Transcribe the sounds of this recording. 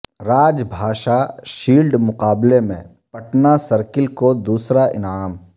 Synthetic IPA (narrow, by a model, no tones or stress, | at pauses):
ɾaːd͡ʒbʱaːʃaʃiːlɖmʊqaːblemḛ̃ | pɐʈnasəɾkɪlkod̪uːsɾaʔɪ̰naːm